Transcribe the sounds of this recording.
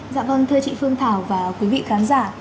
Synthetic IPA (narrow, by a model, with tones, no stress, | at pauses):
za̰ː˧˨mvə˧˩nt̪ʰɨ˧ət͡ɕḭ˧˨fɨ˧əŋt̪ʰaː˧˩wvaː˨˩kwi˨˦vḭ˧˨xaː˨˦nzaː˧˩